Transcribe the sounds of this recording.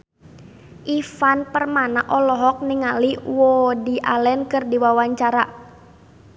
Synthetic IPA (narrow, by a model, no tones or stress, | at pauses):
ʔifanpərmanaʔɔlɔɦɔk̚niŋaliwɔdiʔalɛnkɨrdiwawaɲt͡ʃaɾa